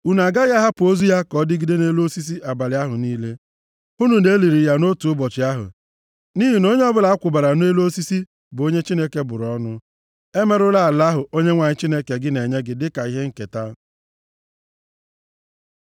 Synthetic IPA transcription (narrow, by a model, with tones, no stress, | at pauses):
u˦˨n˨a˨ɡa˦ja˦ɦa˦pʊ˨o˦zu˦ja˦kɔ˦dɪ˦ɡɪ˦de˦ne˦lo˦si˦s̬i˦ʔa˨ba˨lɪ˨˦a˦ɦʊ˨niː˦le˦ | u˦nu˨ne˦li˨ɾi˨ja˦no˦tu˨ʊ˦bɔ˨t͡ʃɪ˨˦a˦ɦʊ̰˨ | ni˦ɦi˨no˦ɲe˦ɔ˦bʊ˦la˨a˦kʷʊ˨ba˨ɾa˨ne˦lo˦si˦si˦ | bʊ˨o˦ɲe˦t͡ʃi˦ne˦ke˦bʊ˨ɾɔ˦nʊ˦ | e˦me˨ɾʊ˦la˨a˨la˦ɦʊ˨o˦ɲe˦ŋʷa˨ɲɪ˦t͡ʃi˦ne˦ke˨ɡɪ˦ne˨ɲe˦ɡɪ˨dɪ˦ka˨i˦ɦe˦ŋ̩˦˨ke˨ta˦